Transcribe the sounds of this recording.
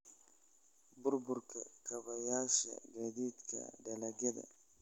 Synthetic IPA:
bʊɾbʊɾkakabajaːʃa̰ɡadit̪ka̰dalaɡed̪a̰

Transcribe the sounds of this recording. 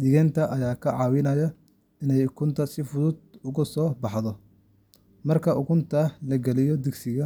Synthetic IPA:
d̪ɪɣɛnt̪ʰɐʔɐjaːkʰɐʕɑːwɪnɐjɐ | ɪnɛjʊkʰʊnt̪ʰɐsɪfʊðʊd̪̚ʊɣʊsɔːbɑħðɔ | mɐrkʰɐʊkʰʊnt̪ʰɐlɐɡɐlɪjɔd̪ɪɡsɪɣɐ

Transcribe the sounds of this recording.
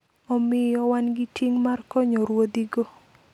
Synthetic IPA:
ɔmɪjɔwanɡɪtiŋmarkɔɲɔɾwod̪iɡo

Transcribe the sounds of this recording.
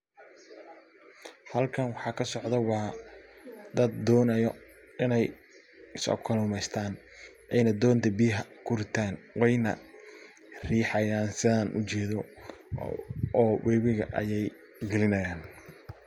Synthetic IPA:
hɐlkʰɐnwɑħɑːkʰɐsɔʕd̪ɐwɑː | d̪ɐd̪ːɔːnɐjɔ | ɪnɛj | ɪsɔ̰kʰɔlʊːmɛjst̪ʰaːn | ʔɛjnɐd̪ɔːnt̪ʰɐbiːɦɐkʰʊɾɪt̪ʰaːnwɛjnɐ̰ | riːħɑjaːnsɪðaːnʔʊ̰t͡ʃɛːðɔ | ɔːwɛːβɪɣɐ̰ʔɐ̰jɛj | ɡɛlɪnɐjaːn

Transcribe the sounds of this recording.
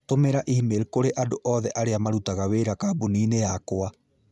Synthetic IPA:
tomɛɾaʔihimeɾekoɾeʔadoʔɔðɛʔaɾeamaɾutaɣaweɾakabuniːnejakoa

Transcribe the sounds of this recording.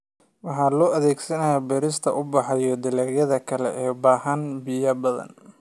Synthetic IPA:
wɑħɑːlɔːʔɐðɛːɡsɐnɐjaːbɛɾɪst̪ʰɐʔʊbɑħɑjɔd̪ɪlɐɾjɐðɐkʰɐlɛ̰ʔɛːbaːɦɐnbɪjɐbɐðɐ̰n

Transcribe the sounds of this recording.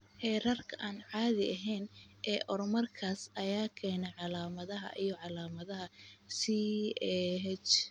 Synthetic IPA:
hɛːrɐrkʰɐʔaːnʕɑːðɪɐɦɛjnʔɛːʔɔɾmɐrkʰaːsɐjaːkʰɛːnɛʕɑlaːmɐðɐɦɐ̰ʔijɞʕɑlaːmɐðɐɦɐsiɛːɦɛt͡ʃ

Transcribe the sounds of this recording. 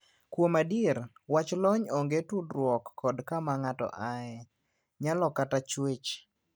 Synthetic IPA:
kwomadiɾwat͡ʃlɔɲɔŋɡetudɾwɔkːɔdkamaŋatɔ̰ʔaɛ | ɲalɔkatat͡ʃwet͡ʃ

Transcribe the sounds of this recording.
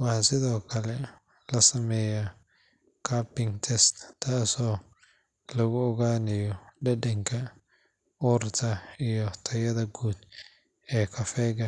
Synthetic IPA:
wɑhsɪðɔːkʰɐlɛ | lɐsɐmɛːjɐ | kʰapɪŋt̪ʰɛst̪t̪ʰːaːsɔː | lɐɣʊɔɣaːnɪjɔɖɛɗɛŋkʰɐ | ɔrt̪ʰɐijɔt̪ʰɐjɐðɐɡuːd̪ | ɛːkʰɐfɛːɡɐ

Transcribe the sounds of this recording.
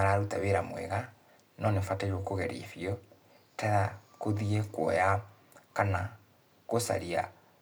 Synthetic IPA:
aɾaɾutaβeɾamwɛ̰ɣa | nɔnefataiɾwɔkoɣɛɾḛfiɔ | taɾakoðiekwɔ̰ja | kana | kosa̰ɾia̰

